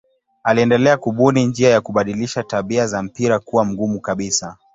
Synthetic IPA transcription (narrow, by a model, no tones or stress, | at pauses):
aliɛndɛlɛakuɓunind͡ʒiajakuɓaɗiliʃataɓiazam̩piɾakuwam̩ɡumukaɓisa